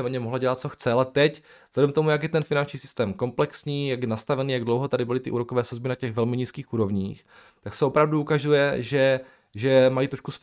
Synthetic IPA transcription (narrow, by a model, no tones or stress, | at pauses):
ɛmoɲɛmoɦlaɟɛlat̪̚t͡soxt͡sɛalɛt̪ɛc | zlɛdɛmt̪o̞mujakjɛt̪ɛnfɪnant͡ʃɲiːsɪ̥st̪ɛːmko̞mplɛksɲiːjaɡjɛnast̪avɛniːjaɡdlowɦot̪adɪbɪlɪt̪ɪʔuːɾokovɛːsozbɪnacɛɣvɛlmɪɲiːskiːxʔuːɾo̞vɲiːx | t̪aksɛopɾavduukazujɛʒɛ | ʒɛmajit̪ɾoʃkus